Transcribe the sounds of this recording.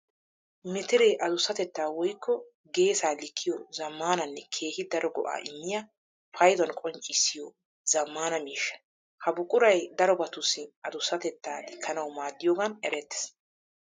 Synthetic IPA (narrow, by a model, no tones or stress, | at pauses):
mɪt̪ɪɾɛʔɐd̪ʊsːɐt̪ɛt̪ːaːwɔjkʰːɔ | ɡe̞ːsaːlɪkʰːɪjɔzɐmːaːnɐnːɛkʰe̞ːhɪd̪ɐɾɔɡɔʔa̰ːʔɪmːɪja | fɐjd̪ɔnkʼɔnt͡ʃʼːɪsːɪjɔ | zɐmːaːnɐmiːʃːɐ̥ | hɐbʊkʼʊɾɐjd̪ɐɾɔbɐt̪ʊsɪɐd̪ʊsːɐt̪ɛt̪ːaːlɪkʰːɐnɐwmaːd̪ːɪjoːɡɐnɛɾɛt̪ːɛ̥s